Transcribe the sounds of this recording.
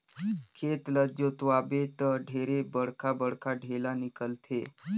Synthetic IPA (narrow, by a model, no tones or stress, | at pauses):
kʰet̪ləd͡ʒot̪ʋabet̪əɖʱeɾebəɽkʰabəɽkʰaɖʱelanikəlt̪ʰe